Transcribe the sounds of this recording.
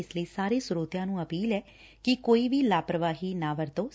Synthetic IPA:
ɪsləiːsaːɾeːsʊɾoːt̪jãːnũːəpiːlɛː | kikoːiːʋiːlaːpɾəʋaːɦiːnãːʋəɾt̪oː

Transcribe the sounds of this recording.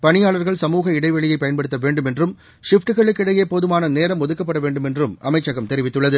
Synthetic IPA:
pɐnɪjaːɭɐɾɣɐɭsɐmuːɣɐɪɽɐɪʋɐɭɪjɐɪpɐjɐnpɐɽɯt̪ːɐʋeːɳɖɯmɛndrɯm | ʂɪfʈːɯɣɐɭɯkːɪɽɐjeːpoːðɯmaːnɐneːɾɐmɔðɯkːɐp̬ːɐɽɐʋeːɳɖɯmɛndrɯmʔɐmɐɪt͡ʃːɐɣɐmt̪ɛɾɪʋɪt̪ːɯɭːɐðɯ

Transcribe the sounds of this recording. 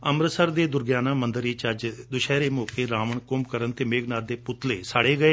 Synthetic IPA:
əmɾsəɾd̪eːd̪ʊɾɡjaːnãːmənd̪əɾiːt͡ʃəd͡ʒd̪ʊʃɛːɾeːmoːkeːɾaːməɳkʊmkəɾənt̪eːmeːɡnaːɾd̪eːpʊt̪leːsaːɽeːɡəeː

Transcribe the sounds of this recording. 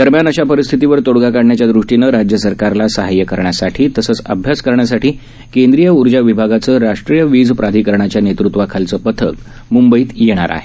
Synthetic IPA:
d̪̥əɾmjanəɕapəɾist̪ʰit̪iʋəɾt̪oɽɡakaɽɳjat͡ɕjad̪ɾuʂʈinəɾad͡ʑjəsəɾkaɾlasəɦajəkəɾɳjasaʈʰiːt̪əsəːt͡sə̰bʱjaskəɾɳjasaʈʰiː | kend̪ɾijəuɾd͡ʑaʋibʱaɡat͡səːɾaʂʈɾijəʋid͡zpɾad̪ʱiːkəɾɳ̃at͡ɕjanet̪ɾut̪ʋakʰalt͡səːpət̪ʰə̰k | mumbəiːt̪jeɽ̃a̰ɾa̰ɦe

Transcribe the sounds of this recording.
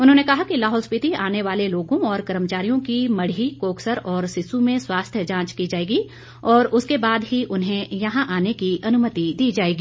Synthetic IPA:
ʊnɦõːnekɐɦakilaːɦɔːlspɪt̪iaːneʋaːleloːɡõɔːɾkɐɾəmət͡ʃaːɾijõkimɐɽikoːksəɾɔːɾsɪsumẽswaːst̪ʰjəd͡ʒãːt͡ʃkid͡ʒaːeːɡi | ɔːɾʊskebaːd̪ɦiʔʊnɦẽjɐɦãʔaːnekiʔɐnʊmət̪id̪iːd͡ʒaːeːɡiː

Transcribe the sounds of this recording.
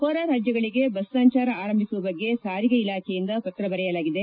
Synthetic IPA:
koːɾaːɾaːd͡ʒjɐɡɐɭiɡe̞bɐssɐɲt͡ʃaːɾɐaːɾɐmbʱisuʋɐbɐɡːe̞saːɾiɡɐilaːkʰɛjind̪ɐpɐt̪ɾɐbɐɾɛjɐlaːɡid̪e

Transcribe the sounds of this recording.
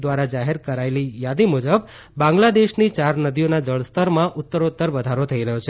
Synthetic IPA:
d̪ʋaɾad͡ʒaɦeɾkəɾaelijad̪imud͡ʒəbː | ãŋɡlad̪eʃnit͡ʃaɾnəd̪ijonad͡ʒəɭst̪əɾmãʔʊt̪ːəɾut̪ːəɾbəd̪ʱaɾot̪ʰəiɾəɦjot͡ʃʰe

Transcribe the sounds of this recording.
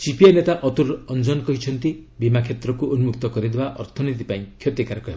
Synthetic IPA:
sipienet̪aʔɔt̪uɾɔnd͡ʒɔnkɔɦit͡ʃʰɔnt̪ibimakʰjet̪ɾɔkuʔonumukt̪ɔkɔɾid̪ebaʔɔɾt̪ʰɔnit̪̬ipaĩkʰjot̪ikaɾɔkɔɦeb

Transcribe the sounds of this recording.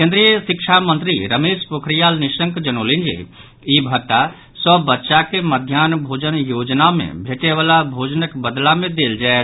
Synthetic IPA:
kẽnd̪ɾijəsikt͡ʃʰamə̃nt̪ɾiɾəmeːʃpukʰɾijalniʃə̃ŋkd͡ʒənolind͡ʒḭ | ibʱət̪ːa | səbːətːʃakeməd̪ʱjanbʱod͡ʒənjod͡ʒnamḛ̃bʱeʈeʋaːlabʱod͡ʒənəkbəd̪lamẽd̪eld͡ʒae

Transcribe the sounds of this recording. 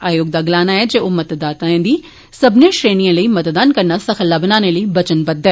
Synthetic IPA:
aːjoːɡ̚d̪aɡlaːnaɛd͡ʒeːomɐt̪d̪aːt̪aẽd̪iː | sɐbnẽʃɾeːnijãləiːmɐt̪d̪aːnkɐɾnasɐxəlːaːbənaːneləibɐt͡ʃənbəd̪ːɛː

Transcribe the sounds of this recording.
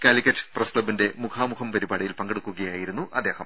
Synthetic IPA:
kaːlikʲːɐtːɨ̥prɐskɭɐbinde̞mukʰaːmukʰɐmpɐɾibaːɽijilpɐŋɡeɽukːuɣɐjaːjiɾunːuʔɐd̪ːe̞ːhɐm

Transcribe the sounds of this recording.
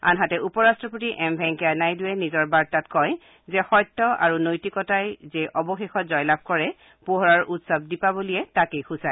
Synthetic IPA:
a̰nɦatɛʔupɔɹastɹɔpotiʔɛmbʱɛŋkɛanajduwɛnizɔɹbaɹtatkɔj | zɛxɔjtːɔa̰ɹunojtikɔtajzeʔɔbɔxexɔtzɔjlab̚kɔɹɛ | poɦɔɹaɹʔutsɔb̚dipabolijɛtakejxusaj

